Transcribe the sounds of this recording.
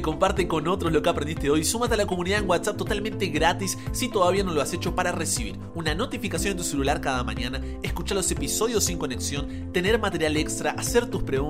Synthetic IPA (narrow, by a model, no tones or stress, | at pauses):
ko̞mpaɾt̪eko̞no̞t̪ɾoslo̞keapɾend̪iht̪eo̞jsumat̪ealako̞muniðaeŋwat̪sap̚t̪o̞t̪almẽnt̪e̞ɣɾat̪isːit̪o̞ðaβ̞iano̞lo̞ase̞t͡ʃo̞paɾaresiβḭɾ | unano̞t̪ifikasjond̪et̪uselulaɾkaðamã̰ɲana | eskut͡ʃalo̞se̞piso̞ðjo̞sːiŋko̞neksjo̞n | t̪e̞ne̞ɾmat̪e̞ɾjale̞kst̪ɾaʔase̞ɾt̪uspɾeɣ